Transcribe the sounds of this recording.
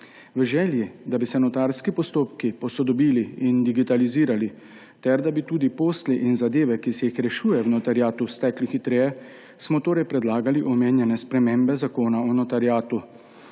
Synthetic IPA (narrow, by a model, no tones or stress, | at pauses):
ʋəʒɛːljid̪abisɛnɔt̪aɾskipɔst̪oːpkipɔsɔd̪ɔbiːliind̪iɡit̪aliziːɾali | t̪ɛɾd̪abit̪uːd̪ipoːsliʔinzad̪eːʋɛkisɛjixɾɛʃuːjɛwnɔt̪aɾjaːt̪ust̪ɛklixit̪ɾeːjɛ | smɔt̪oːɾɛjpɾɛd̪laːɡaliʔɔmeːnjɛnɛspɾɛmeːmbɛzakoːnaɔnɔt̪aɾjaːt̪u